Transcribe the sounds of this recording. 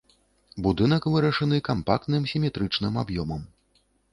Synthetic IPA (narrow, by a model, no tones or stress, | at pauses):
bud̪ɨn̪ɐkvɨɾɐʂɐnɨkampak̚t̪nɨmsʲimʲɛt̪ɾɨt͡ʂnɨmabjɔmɐm